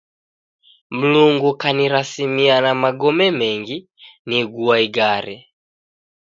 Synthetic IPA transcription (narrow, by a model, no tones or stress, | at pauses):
m̩luŋɡukaniɾasimianamaɡɔmɛmɛŋɡi | niɡuaiɡaɾɛ